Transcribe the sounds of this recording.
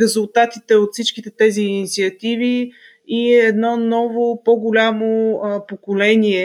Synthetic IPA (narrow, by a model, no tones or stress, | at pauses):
ɾɛzulˠt̪at̪it̪ɛot̪fsit͡ʃkit̪ɛt̪ɛziːnit̪siɐt̪ivi | iɛd̪nɔnɔvopɔɡʊlʲamopokolɛniɛ